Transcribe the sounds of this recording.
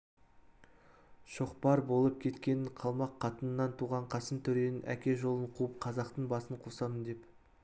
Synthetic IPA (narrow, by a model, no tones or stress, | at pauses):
ʃo̞qpɑɾbo̞lˠəpkʲʰe̞t̪kʲe̞nɪɴqʰɑlˠmɑqʰːɑt̪ənənːɑnt̪ʰuʁɑɴqʰɑsənt̪ʰʏɾe̞nɪnʔæ̰kʲe̞ʒo̞lˠəɴqʰuəp̚qʰɑzɑqt̪əɴbɑsəɴqʰusɑnənd̪e̞p